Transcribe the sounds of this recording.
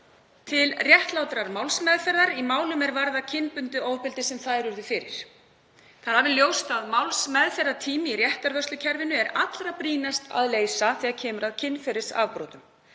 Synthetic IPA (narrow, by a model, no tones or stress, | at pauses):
t̪ʰɪlrjɛht̪lawt̪ɾaɾmawlsmɛðfɛɾðaɾimaːwlʏmɛɾvaɾðacʰɪnpʏnt̪ʏoːwpɪlt̪ɪsɛmθaðɾʏɾðʏfɪːɾɪ̰ɾ̥ | θaðɾhavɪljoːwst̪aðmawlsmɛðfɛɾːat̪ʰiːmɪirjɛht̪aɾvœst̪ʏcʰɛɾvɪnʏɛɾat̪lɾapɾiːnast̪a̰ðleːjsaθiaðcʰɛːmʏɾaðcʰɪnːfɛɾɪ̥sa̰vpɾoːt̪ʏm